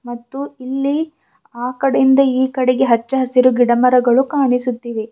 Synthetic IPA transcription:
mɐt̪ːuilːi | aːkɐɽejind̪ɐiːkɐɽeɡe̞ɦɐt͡ʃːɐɦɐsiɾuɡiɽɐmɐɾɐɡɐɭukaːɳisut̪ːiʋe

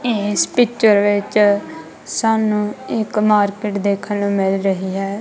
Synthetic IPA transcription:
ɪːspɪkt͡ʃəɾʋɪt͡ʃ | saːnũːɪkmaːɾkɪʈd̪eːkʰənuːmɪlɾəɦiːɦɛː

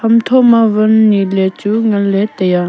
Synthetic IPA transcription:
amt̪ʰoʔmawənːilet͡ɕuŋalet̪eja

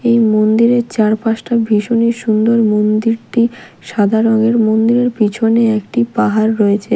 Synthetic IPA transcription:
ejmond̪iɾeɾt͡ɕaɾpaʃʈabʱiʃoniʃund̪oɾmond̪iɾʈi | ʃad̪ʱaɾoŋeɾmond̪iɾeɾpit͡ɕʰoneekʈipaɦaɾːoet͡ɕʰe

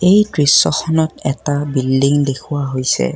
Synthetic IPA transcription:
ejtɹisːɔxʰɔnɔtɛtabildiŋdekʰuwaɦojsɛ̰

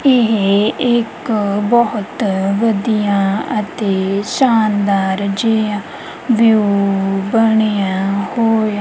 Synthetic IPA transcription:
ɪɦɪkbɔɦʊt̪ʋəd̪ijãːət̪eːʃaːnd̪aːɾd͡ʒeãː | ʋjuːbəɽ̃ejãːhoːja

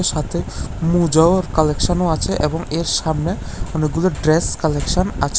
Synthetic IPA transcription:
eɾʃat̪ʰemud͡ʑaoɾkɔlekʃonoat͡ɕʰeʔeboŋeɾʃamne | ɔnek̚ɡuloɖɾeskɔlekʃona̰t͡ɕʰ

